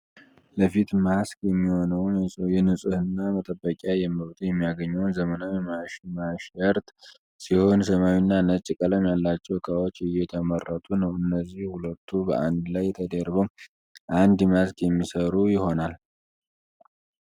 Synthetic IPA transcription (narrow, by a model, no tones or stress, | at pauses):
ləfit̪maskjɛmːiho̞nəwnjɛnɨsʼɨhɨnːamət̪ʼəbːəkʼjajɛməβt̪ʰʼujɛmːijaɡəɲːɛwnzəmənawjɛmamaʃəɾt̪ | siho̞nsəmawinːanət͡ʃʼːikʼələmjalːat͡ʃːɛwkʰʼawot͡ʃːɪjɛt̪ʰəmərːət̪ʼunəwɨnːəzːihhulət̪ʰːubə̰ʔand̪lajːɛt̪ʰəd̪əɾbəw | ʔand̪maskjɛmːisəɾujɪho̞nal